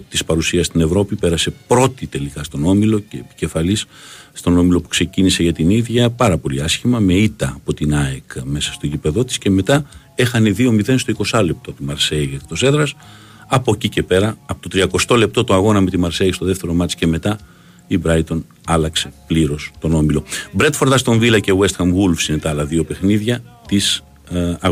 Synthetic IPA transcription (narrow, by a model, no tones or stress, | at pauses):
t̪ispɐɾusiɐst̪ine̞vɾo̞pipe̞ɾɐse̞pɾo̞t̪it̪e̞likɐst̪o̞no̞milo̞ceːpi̥ce̞fɐlisst̪o̞no̞milo̞pu̥kse̞cinise̞ʝɐt̪iniðʝɐpɐɾɐpo̞liɐsçimɐme̞it̪ɐːpo̞t̪inɐekme̞sɐ̥st̪oʝipe̞ðo̞t̪i̥sce̞me̞t̪ɐ | e̞xɐneðio̞miðe̞nst̪o̞iko̞sɐle̞p̚t̪o̞t̪imɐɾseiɐkt̪ose̞ðɾɐs | ɐpo̞cice̞pe̞ɾɐːpot̪ot̪ɾiɐko̞st̪o̞le̞p̚t̪o̞t̪oɐɣo̞nɐme̞t̪imɐɾseist̪o̞ðeft̪e̞ɾo̞mɐt͡sce̞me̞t̪ɐ | ibɾɐjt̪o̞n | ɐlɐkse̞pliɾo̞st̪o̞no̞milo̞bɾe̞t̪fo̞ɾt̪ɐst̪o̞ɱvilɐcewe̞st̪xɐmɣulfsinet̪ɐɐlɐðio̞pe̞xniðʝɐt̪is | ɐ